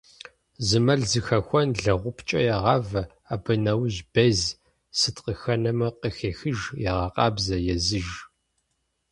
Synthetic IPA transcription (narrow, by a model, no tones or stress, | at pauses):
zɨmɐɮzɨxɐxʷɔnɮɐʁʷʊpʰt͡ʃʼɐ̰jɛʁɑvɐ | aːbɨnɐwʒbɐz | sɨtqəxɐnɐmɐqəxeːxɨʒjɛʁɑqʼɑːbzɐjɛzɨʒ